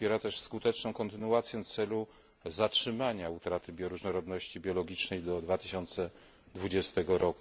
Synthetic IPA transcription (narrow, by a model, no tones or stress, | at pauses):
spʲjɛɾat̪ɛʂskut̪ɛt͡ʂnɔ̃w̃kɔnt̪ɘnuat̪sʲjɛnt̪sɛlu | zatʂɘmaɲaut̪ɾat̪ɘbʲjɔɾuʐnɔɾɔd̪nɔɕt͡ɕibʲjɔlɔɡʲit͡ʂnɛjd̪ɔd̪vat̪ɘɕɔnt̪sɛ | d̪vud͡ʑɛst̪ɛɡɔɾɔku